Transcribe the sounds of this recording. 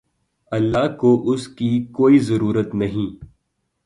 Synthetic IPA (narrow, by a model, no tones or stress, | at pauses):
ɐlːaːkoʔʊskikoːizɐɾuːɾət̪nɐɦĩː